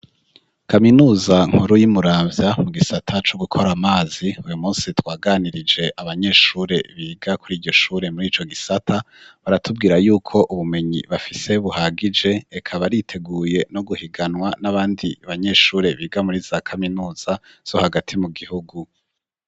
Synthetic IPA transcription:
kaminuːzaŋ̥huɾujimuɾaːvjamuɡisatʰat͡ʃoɡukʰo̞ɾamaːziujumuːnsitwaːɡaːniɾid͡ʒe̞ʔaβaɲe̞ːʃuːɾe̞βiːɡakuɾiːɟo̞ʃuːɾe̞muɾiːt͡ʃo̞ɡisatʰa | βaɾatub̚ɡiːɾajuːkʰo̞ʔuβume̞ɲḭβafise̞βuhaɡid͡ʒe̞ːkʰaβaɾitʰe̞ɡuːje̞no̞ɡuhiɡanwanaβaːndiβaɲe̞ːʃuːɾe̞βiːɡamuɾizakʰaminuːz̥a | z̥o̞haɡatʰimuɡihuɡu

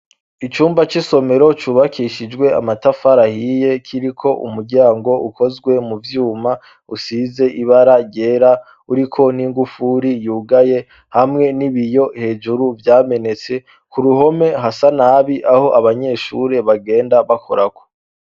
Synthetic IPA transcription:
it͡ʃuːmbat͡ʃiso̞me̞ɾo̞t͡ʃuːβakʰiʃid͡ʒɡwe̞a̰matafaɾahije̞kʰiɾikʰo̞ʔṵmuɾɟaːŋɡo̞ʔuko̞zɡwe̞muvjuːma | usize̞ʔiβaɾaje̞ɾa | uɾikʰo̞niŋɡufuɾijuːɡaje̞ | hamŋe̞niβijo̞he̞ːd͡ʒuɾuvjaːme̞ne̞t͡se̞ | kuɾuɦo̞me̞ɦasanaβiʔaho̞ʔaβaɲe̞ʃṵːɾe̞βaɡe̞ːndaβakʰo̞̰ɾako̞̥

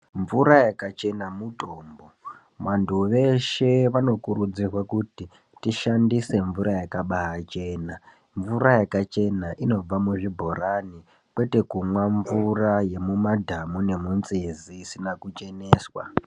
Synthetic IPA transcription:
ɱvuɾajakat͡ʃe̞namutoːmbo̞ | ʋantʰuʋe̞ʃe̞ʋano̞kuɾud͡zirwakuti | tiʃandise̞ɱvuɾajakaɓaɦat͡ʃe̞ːna | ɱvuɾajakat͡ʃe̞naʔino̞b͡vamuʐibʱo̞ɾani | kwe̞te̞kumwaɱvuraje̞mumadʱamune̞munt͡siziːsinakut͡ʃe̞ne̞ːswa̰

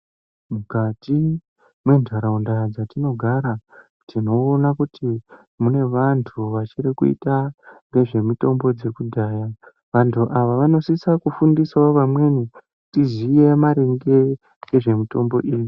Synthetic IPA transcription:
mukati | mwe̞ndʱaɾaundad͡zatino̞ɡʱaɾa | tʰino̞ːnakuti | mune̞ʋantʰuʋat͡ʃiɾikuḭtaŋɡe̞ʐe̞mito̞mbo̞d͡ze̞kudʱaːja | ʋantʰuʔaʋaʋano̞sisakufundiswaoʋamwe̞ni | tizije̞maɾeŋɡe̞ | ɡe̞ʐe̞mito̞mbo̞̰ʔiːju

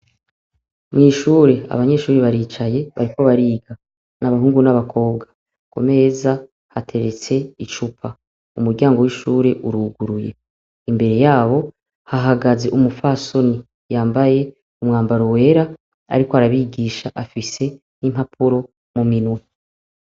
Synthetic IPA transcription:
mŋiːʃuːɾe̞a̰βaɲe̞ʃuːɾiβaɾiːt͡ʃaje̞βaɾiko̞βaɾiːɡa | naβaɦuːŋɡunaβakʰo̞ːbɡḁ | ko̞̰me̞za | hatʰe̞ɾe̞t͡seit͡ʃupʰa | umuɾɟaːŋɡo̞wiʃuːɾe̞ʔuɾuːɡuɾuje̞̰ | imbe̞ɾe̞jaːβo̞ | haɦaɡaze̞ʔumufaso̞ni | jaːmbaje̞ | umŋaːmbaɾowe̞ɾa | a̰ɾikoaɾaβiɡiːʃaʔafise̞ | nim̥hapʰuɾo̞ | muminwe

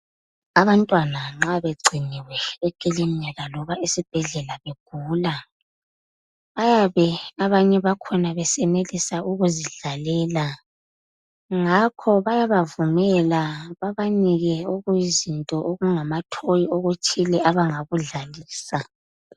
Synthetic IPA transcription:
aβantʼwanaŋ͡ǁaβeɡ͡ǀʱiniwɛɛkʼelim̩ɲaɣalɔβaʔisib̥ʱɛɮɛlaβeɡ̥ʱuːla | βajaβɛaβaɲɛβakʰɔnaβɛsɛnelisaʔuɣuziɮalɛːla | ŋakʰɔβajaβavumɛlaβaβaniɣɛoɣujizintʼɔʔoɣuŋamatʰojioɣut͡ʃʰʼilɛʔaβaŋaɣuɮaliːsa

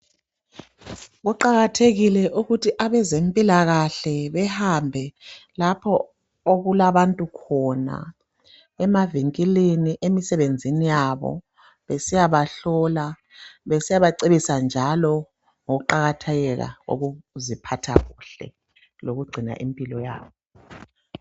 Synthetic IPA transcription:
ɣuǃaɣatʰeɣilɛʔuɣutʰiʔaβɛzempʼilaɣaɬɛβɛhambʱɛlapʰɔ | oɣulaβantʼukʰɔna̰ | ɛmaviŋkʼileniʔemisɛβend͡zʱinijaβɔ̰ | βesijaβaɬɔla | βesijaβaǀeβisand͡ʒʱalɔ | ŋoɣuǃaɣatʰɛɣɛɣa̰ɣo̰ɣuzipʰatʰa̰ɣuːɬɛ̰ | loɣuɡ͡ǀʱina̰ʔimpʼilɔja̰ːβɔ

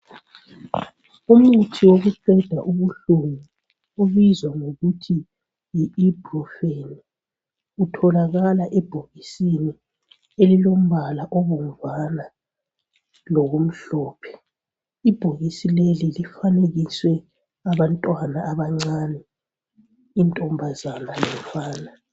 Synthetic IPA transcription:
umutʰiwoɣuǀɛd̥ʱaʔuβuɬuŋi | uβizwaŋoɣutʰi | jiːb̥rɔfeni | utʰɔlaɣalaʔɛb̥ʱoɣisini | elilom̩βalaʔɔβom̩vana | lɔɣom̩ɬɔːpʰɛ̥ | ib̥ʱoɣisilelilifaneɣiswɛ | aβantʼwanaʔːβaŋ͡ǀanɛ | intʼɔmbʱazanalɛmfaːna

